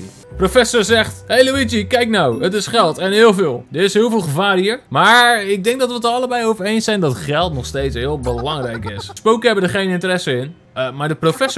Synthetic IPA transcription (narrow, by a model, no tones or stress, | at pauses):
profɛsoɹzɛχthejloʋitikɛjk̚nawətɪsχɛlˠtɛnɦɪːlˠvɪːlˠdəɪsɦɪəlˠvɪːlˠχəvaːrɦiːɹmaːɪk̚dɛŋk̚dɔtʋətərɑləbɛjowvərejnsɛjndɔtχɛlˠtnɔχstejtsɦɪəlˠbəlɑŋrɛjkɪsspowkəɦɛbəndəχejnɪntərɛsəɪn | maːɹdəprofɛs